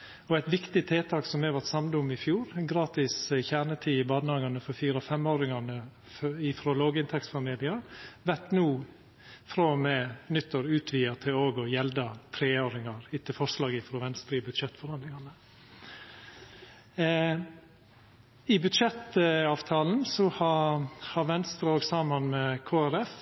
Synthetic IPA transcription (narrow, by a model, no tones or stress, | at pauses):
ɔæɪt̪ʋɪkt̪ɪt̪ʰeːt̪ʰɑːksɔmhɛʋæt̪sɑmd̪ʊmːɪfjuːɾɡɾɑːt̪ɪsɪçæɳət̪ʰiːɪbɑːnɑːɡɑnəfɔɾfiːɾɔfɛmoːɾɪŋɑnə | ɪfɾoːloːɡɪnt̪ʰɛksfɑmiːlɪɑɾʋæʈnuː | fɾoːmɛːnʏt̪ːəɾʉːt̪ʰʋiːət̪ʰɪloːɡɔjɛld̪ɑt̪ʰɾeːoːɾɪŋɑɾɪt̪ɪlfɔʂlɑːɡɪfɾoːʋɛnst̪ɾəɪbʉd̪ʃɛt̪ːfɔɾhɑnd̪lɪŋɑnə | ɪbʉd̪ʃɛt̪əɑːʋt̪ʰɑːln̩sɔhɑhɑɾʋɛnst̪ɾəoːɡsɑːmɑnmɛkʰoːæɾɛf